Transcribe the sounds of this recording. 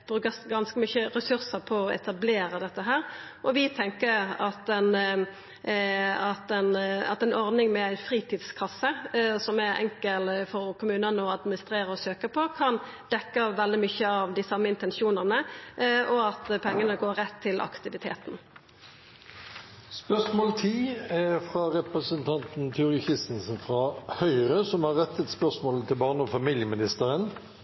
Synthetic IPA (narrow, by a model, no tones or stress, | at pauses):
b̥ʁʉːkəsɡɑnskəmʏçəʁɛsʉʁsəʁpʰɔɔɛ̰t̪ɑbleːɾəd̪ɛt̪ːəɦæːʁʔɔʋɪt̪ʰɛŋkəɑt̪ɛn | ɑt̪ɛnɑ̰t̪ɛɪnɔʁd̪nɪŋmɛæɪfʁiːt̪ʰiːd̪skʰɑsːəsɔmɛɛ̰ŋkəlfɔɾkʰʊmʉːnənəɔɑd̪mɪnɪst̪ʁeːɾəɔsøːkəpʰɔkʰɑn | d̪ɛkːəʋɛld̪ɪmʏçəɑʋd̪ɪsɑmːəɪnt̪ɛnʃuːnɑʁnəʔɔɑt̪pʰɛŋːənəɡoːɾɛt̪ʰːɪlʔɑ̰kt̪ɪʋɪt̪ʰḛːt̪n̩ | spœsmoːlt̪ʰiːæfʁɑʁɛpɾəsənt̪ʰɑnt̪n̩t̪ʰʉʊʁəçɪst̪n̩snfʁɑhœʏʁəsɔmhɑʁɛt̪ːət̪spœʂmoːlət̪ʰɪlbɑːʁnəɔfɑmiːljəmɪnɪst̪əʁən